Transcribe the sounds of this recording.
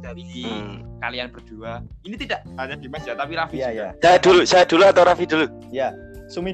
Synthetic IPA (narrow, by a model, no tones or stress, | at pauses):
d̥aɾiikalianb̥ərd̪̥uainit̪idaʔbaɲad̥imad͡ʒat̪apiɾafijasajad̥ulusajad̥̪uluat̪awɾafidulu | ja | sumi